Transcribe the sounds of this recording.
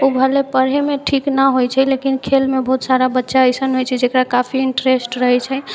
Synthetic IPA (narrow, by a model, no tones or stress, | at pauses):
ubʱəlepəɾɦemeʈʰiknəɦojt͡ʃʰɛlekinkʰelmebəɦut̪saɾabətːʃaəjsənɦojt͡ʃʰɛd͡ʒekɾakapʰiiɳʈɾesʈɾəɦɛt͡ʃʰɛ